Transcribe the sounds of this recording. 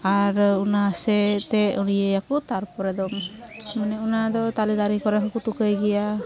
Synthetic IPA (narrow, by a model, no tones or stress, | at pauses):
aɾunasɛt̪ɛunijejakut̪aɾpɔɾɛd̪ɔmmənɛunad̪ɔt̪alid̪aɾikɔɾɛɦakut̪ukəjɡija